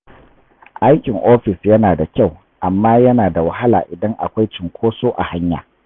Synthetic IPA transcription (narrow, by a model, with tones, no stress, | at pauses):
ʔa˦jkʲɪ˨ŋʔoː˦ɸɪ˨sjɐ˦naː˨da˨kʲa˦˨w | ʔa˨mːaː˦jɐ˦naː˨da˨wɐ˨ɦa˦la̰ː˨ʔɪ˨dɐ˦ŋʔa̰˨kʷa˦jt͡ʃɪ˨ŋkʷʰoː˦soː˦ʔa̰˨ha˦ɲja̰ː˨